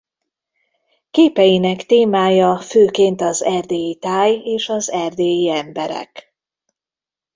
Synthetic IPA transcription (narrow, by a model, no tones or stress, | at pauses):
keːpɛjinɛkt̪eːmaːjɒføːkeːnt̪ɒzɛrd̪eːjit̪aːjeːʃɒzɛrd̪eːjiɛmbɛɾɛ̰k